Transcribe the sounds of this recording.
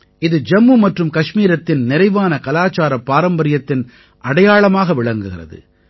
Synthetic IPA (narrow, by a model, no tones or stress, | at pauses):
ɪðɯd͡ʒɐmːɯmɐʈrɯmkɐʂmiːɾɐt̪ːɪnnɪɾɐɪʋaːnɐkɐlaːt͡ʃaːɾɐpːaːɾɐmbɐɾɪjɐt̪ːɪn | ʔɐɽɐjaːɭɐmaːɣɐʋɪɭɐŋɡɯɣɪrɐ̰ðɯ̰